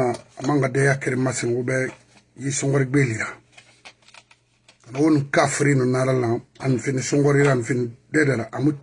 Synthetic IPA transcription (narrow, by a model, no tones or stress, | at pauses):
aamãŋɡadɛjakeɾimasĩŋubɛ | jisõŋɡɔɾiɡ͡beːliɾa | kanawonĩkafuɾinonaɾalãanfinisõŋɡɔɾiɾanfinidɛdɛɾaʔamu